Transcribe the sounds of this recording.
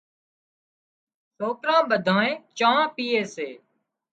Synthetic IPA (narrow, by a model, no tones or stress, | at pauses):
soːkɾãːɓəd̪ʱãːẽːt͡ʃãːãːpiːeːseː